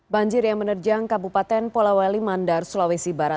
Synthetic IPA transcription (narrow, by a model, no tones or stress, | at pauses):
baɲd͡ʒɪrjaŋmənərd͡ʒaŋkabupat̪ɛnpolawalimandarsulawesibaɾat̪̚